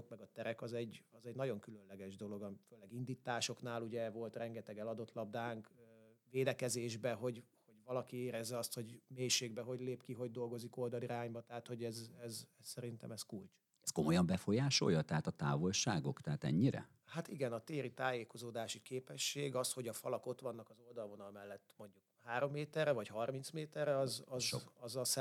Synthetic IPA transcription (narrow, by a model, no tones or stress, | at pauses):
okmɛɡɒt̪ɛɾɛkɒzɛɟːɒzɛɟnɒɟo̞ŋkylø̞nlɛɡɛʒd̪o̞lo̞ɡɒføːlɛɡind̪it̪aːʃo̞knaːluɟɛvo̞lt̪rɛŋɡɛt̪ɛɡɛlɒd̪o̞t̪lɒb̚d̪aːŋkveːd̪ɛkɛzeːʒbɛɦo̞ɟho̞ɟvɒlɒkieːɾɛzːɛɒst̪ho̞ɟmeːʃeːɡ̚bɛɦo̞ɟleːpkiɦo̞ɟ̚d̪o̞lɡo̞ziko̞ld̪ɒliɾaːɲbɒt̪ɛɦaːt̪ho̞ɟɛzɛzɛssɛɾint̪ɛ̰mɛskult͡ʃ | ɛsko̞mo̞jɒmbɛfo̞jaːʃo̞̰jːɒt̪ɛɦat̪ɒt̪a̰ːvo̞lʃaːɡo̞kt̪ɛɦat̪ɛ̰ɲːiɾɛ̰ | hat̪iɡɛnɒt̪eːɾit̪aːjeːko̞zoːd̪aːʃikeːpɛʃːeːɡɒsho̞ɟɒfɒ̰lɒkot̪ʋɒnːɒkɒzo̞ld̪ɒlvo̞nɒlmɛlːɛt̪ːmo̞ɲɟukhaːɾo̞mːeːt̪ɛrɛvɒɟhɒrminsmeːt̪ɛrɛɒzɒzʃoɒzɒsɛ